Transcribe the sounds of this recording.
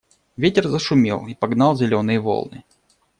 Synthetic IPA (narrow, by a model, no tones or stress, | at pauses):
vʲetʲɪrzəʂʊmʲḛlˠipɐɡnɑlˠzʲɪlʲonɨjəvo̰lˠnɨ